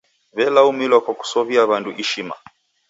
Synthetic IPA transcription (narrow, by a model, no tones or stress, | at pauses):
βɛlaumilɔkɔku̥sɔβiaβanduʔiʃima̰